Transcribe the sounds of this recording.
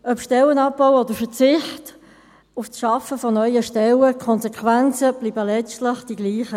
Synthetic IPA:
œpʃtɛlənɑp̚b̥awɔdəɾfət͡sɪχt | ufsʃɑfəfɔnœʏəʃtɛləkʰɔnsekʰʋænt͡səb̥liːbəlɛt͡stlɪχd̥iɡliːχə

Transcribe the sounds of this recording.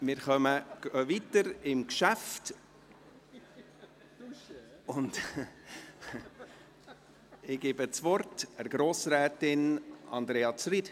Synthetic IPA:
mɪːɾχœməɡ̥øvitəɾɪmkʃæft | ʊnd | ɪɡebət͡sʋɔrtəɾɡ̥ɾoːsɾɛːtɪnɑ̰nd̪ɾeːɑt͡sɾid

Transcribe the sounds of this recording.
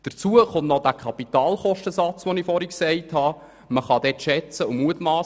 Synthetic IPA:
d̥əɾt͡suəχʊntnɔd̥̪ækʰɑpitɑːlχɔʃtəsɑt͡sʋɔnifɔɾiksɛɪthɑ | məχɑd̥̪ɛtʃɛt͡səʊmuətmɑː

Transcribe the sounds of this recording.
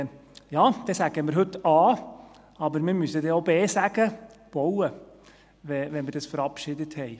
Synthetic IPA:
jɑːd̥ɛːsæɡ̥əməɾɦɵt̪ɑː | ɑbəɾmemysəd̪eːoʊbeːsæɡ̥əb̥ɔwə | ʋɛʋɛnməɾd̥ɛsfɔɾɑpʃɪd̪ət̪hɛɪ

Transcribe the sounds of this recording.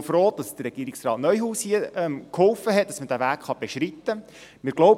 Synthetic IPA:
fɾoːt̚d̥ɑsd̥ərːɛɡ̥iəɾiksrɑːtnœʏɦuːshiəɛmkhɔlfəɦɛt̚d̥ɑsmədævæːkχɑb̥eʃɾit̪ːə | mɪːɾɡ̥lɔʊb

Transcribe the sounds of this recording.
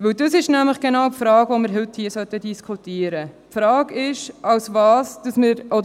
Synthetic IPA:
ʋɵwdəsɪʃnæmləχɡ̥enɑʊwpfɾɑːɡvoməɾɦɵthiːəsœtːədiskʰutiːəɾəpfɾɑːɡɪʃʔɑwsvɑːsd̥ɑsməɾʔɔd

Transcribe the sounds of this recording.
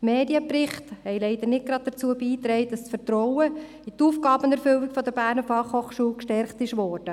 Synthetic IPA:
meːdiəpɾɪχthɛɪlɛɪd̪ənɪt̚ɡ̥ɾɑd̥̪̚d̥ət͡suːəbiːt̪ɾɛɪt̚d̥ɑst͡sfəɾtɾɔwə | it̪uːfɡɑːbəʊnɛɾfʏlɪkfɔd̪əɾbæːɾnəfɑχhoχʃuːlkʃtɛɾχtɪʃʋɔːɾd̥ə

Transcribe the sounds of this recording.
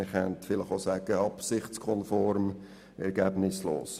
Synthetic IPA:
ɪχɛntfɪlɪχosæːɡ̥əɑpsɪχskʰɔnfɔɾm | ɛɾɡæb̥nɪslo̰ːs

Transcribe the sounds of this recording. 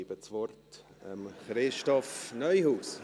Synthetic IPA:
iːbət͡sʋɔrt | ə̰mχɾɪʃtɔfnœʏhuːs

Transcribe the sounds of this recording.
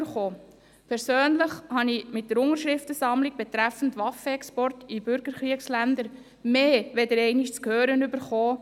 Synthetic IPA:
ɾχoː | pʰɛɾsøːnləχhɑnimɪt̚dəɾʊŋəɾʃɾɪftəsɑmliɡ̚b̥ɛt̪ɾæfən̩tʋɑfəɛkspɔrtib̥ʏɾɡ̥əɾχɾiəkslændəɾ | meːʋɛdəɾɛɪniʃt͡skhøːɾənybəɾχoː

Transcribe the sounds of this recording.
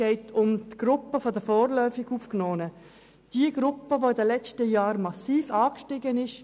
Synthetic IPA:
ɛɪtʊmtɡ̥ɾʊpːəfɔdəfɔːrlœʏfɪɡuːfknɔːnə | d̥iəɡɾʊpːəʋoɪdəlɛt͡stəjaːɾmɑsiːfɑːkʃtɪɡənɪʃ

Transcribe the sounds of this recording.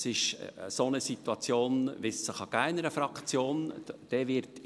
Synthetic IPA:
sɪʃsonəsit̪uɑt͡sjoːnʋɪssəχɑɡæɪnəɾəfɾɑkt͡sjoːnd̥ɛːʋɪɾt

